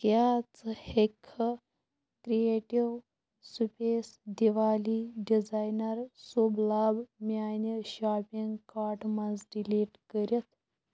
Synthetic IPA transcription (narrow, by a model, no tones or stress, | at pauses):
kjat͡səhekʰə | kɾijeʈiʋ | supesɖiʋaliɖid͡zajnəɾsublabmʲajnəɕapiŋɡkaɾʈmad͡zɖiliʈkəɾjət̪